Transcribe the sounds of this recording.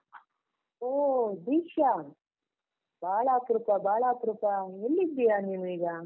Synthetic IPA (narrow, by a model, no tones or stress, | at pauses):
oːd̪iːkʂa | baːɭaːkɾupabaːɭaːkɾupaelːid̪ijaniːnuiːɡɐ